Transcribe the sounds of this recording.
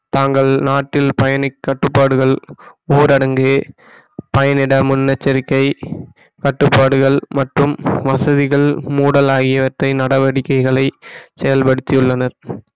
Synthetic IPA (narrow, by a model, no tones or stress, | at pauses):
t̪aːŋɡɐɭnaːʈːɪlpɐjɐnɪkːɐʈːɯpːaːɽɯɣɐɭoːɾɐɽɐŋɡeː | pɐjɐnɪɽɐmʊnːɐt͡ʃːɐɾɪkːɐɪ | kɐʈːɯpːaːɽɯɣɐɭmɐʈrɯmʋɐsɐðɪɣɐɭmuːɽɐlaːɣɪjɐʋɐʈrɐɪnɐɽɐʋɐɽɪkːɐɪɣɐɭɐɪsɛjɐlpɐɽɯt̪ːɪjɯɭːɐnɐɾ